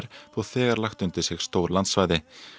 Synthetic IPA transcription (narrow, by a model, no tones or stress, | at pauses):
ɾ̥θawθɛːɣaɾlaxt̪ʏnt̪ɪsɪɣst̪owɾlant̪svajðɪ